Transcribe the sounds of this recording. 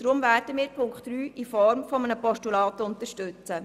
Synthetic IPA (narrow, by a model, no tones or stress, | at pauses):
d̥ɾʊmvæːrd̥əmiːɾpʰʊŋktryːʔifɔɾmfɔmənəpɔʃtulɑːt̪əʊnt̪əʃtʉt͡sə